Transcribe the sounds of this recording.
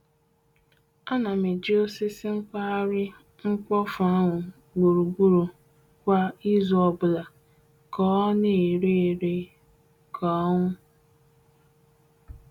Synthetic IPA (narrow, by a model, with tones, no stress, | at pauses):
a˦na˨me˨d͡ʒi˦o˦sɪ˦sɪ˦ŋ̩˦kʷa˦a˦ɾɪ˦ | ŋ̩˦kɔ˦fa˦ŋʷʊ˨ | ɡ͡bu˨ɾu˨ɡ͡bu˦ɾu˨ | kʷa˦i˦zɔ˨bʊ˨la˨ | kɔ˦ne˦e˨ɾe˦˨ɾe˦ | kʰɔ˦ŋʷʊ˦